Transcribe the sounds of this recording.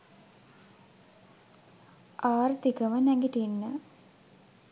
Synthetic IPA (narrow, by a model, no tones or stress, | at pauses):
ʔaːrt̪ikəmənæŋɡiʈinːə